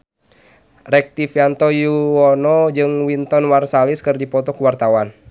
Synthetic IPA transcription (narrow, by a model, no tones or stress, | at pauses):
rɛk̚t̪ifjant̪ɔjuɔnɔd͡ʒɨŋwint̪ɔnwarsaliskɨrdipɔt̪ɔkuwart̪awan